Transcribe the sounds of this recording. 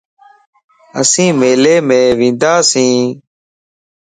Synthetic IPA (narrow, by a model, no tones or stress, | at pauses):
ə̰sĩːmeːleːmẽːʋĩːnd̪aːsĩː